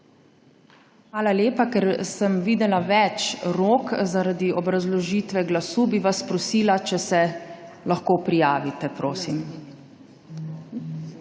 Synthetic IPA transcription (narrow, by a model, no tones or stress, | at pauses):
xʋaːlaleːpakɛɾsəmʋiːd̪ɛlaʋɛt͡ʃɾoːkzaɾad̪iɔbɾazlɔʒiːt̪ʋɛɡlasuːbiʋaspɾɔsiːlat͡ʃɛsɛ | laxkoːpɾijaːʋit̪ɛpɾoːsim